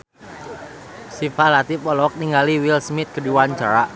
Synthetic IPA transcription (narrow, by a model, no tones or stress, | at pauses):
sifalat̪ipɔlɔk̚niŋɡaliwilsmɪt̪̚kədiwaɲt͡ʃaɾa